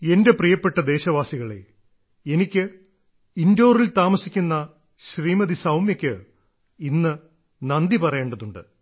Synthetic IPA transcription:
e̞nde̞prijɐpːe̞ʈːɐd̪e̞ːɕɐʋaːsiɣɐɭḛ | enikʲːɨ | indo̞ːrilt̪aːmɐsikʲːunːɐ | ɕriːmɐðisɐwmjɐkʲːɨ | inːɨ | nɐnd̪ipɐrɐjeːɳɖɐðuɳɖɨ̰

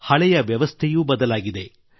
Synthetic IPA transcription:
hɐɭɛjɐʋjɐʋɐst̪ʰejuːbɐd̪ɐlaːɡid̪e̞

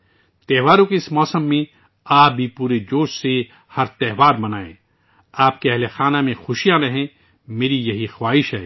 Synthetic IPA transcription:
t̪ɛɦʋaːɾõkeɪsmɔːsəmːẽ | aːp̚bʱipuːɾed͡ʒoːʃse | hɐɾt̪ɛɦʋaːɾbɐnaːḛ̃ː | aːp̚keɛɦlexaːnamẽxʊʃijãɾɐɦẽ | meːɾijɐɦixwaːɦɪʃɦɛː

